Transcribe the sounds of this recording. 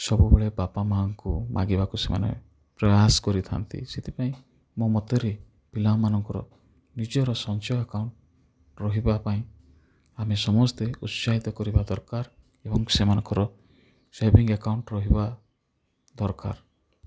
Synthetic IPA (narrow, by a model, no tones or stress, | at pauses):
sɔbubeɭebapamaɦaŋkumʔa̰ɡibakusema̰nḛ | pɾɔjaskɔɾit̪ʰa̰nt̪ʰḭset̪ʰipaĩ | momɔt̪eɾe | pilamanɔŋkɔɾɔ̰ | nid͡ʒɔɾɔsɔnt͡ʃɔjakawɳʈ | ɾɔɦibapaĩ | amesɔmɔst̪eut̪saɦit̪ɔkɔɾibad̪ɔɾkaɾ | ebɔŋsemanɔŋkɔɾɔ | sebiŋɡakawɳʈɾɔɦiba | d̪ɔɾka̰ɾ